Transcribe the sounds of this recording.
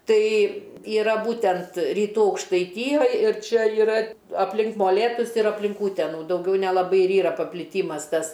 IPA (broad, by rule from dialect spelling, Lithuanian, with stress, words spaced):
ˈtɐɪ iːˈrɐ ˈbuːtʲɛnt rʲiːˈtuː ɐʊkʃtɐɪˈtʲiːjoːj ɪr ˈt͡ʃʲɛ iːˈrɐ ɐpʲˈlʲɪŋk moːˈlʲeːtʊs ɪr ɐpʲˈlʲɪŋk ˈuːtʲɛnuː dɐʊˈɡʲɛʊ nʲɛlˠɐˈbɐɪ ɪr ˈiːrɐ pɐpʲlʲɪˈtʲiːmɐs ˈtɐs